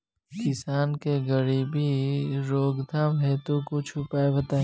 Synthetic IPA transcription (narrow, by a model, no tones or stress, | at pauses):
kɪsaːnkeɡəɽibʱiɾoːɡd̪ʱaːmɦɛːt̪okot͡ʃʰʊpaːebɐt̪aː